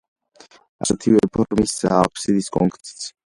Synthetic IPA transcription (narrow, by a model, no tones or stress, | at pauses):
asɛt̪ʰivɛpʰɔɾmisaːpʰsid̪iskʼɔŋkʼsi̥t̪sʰ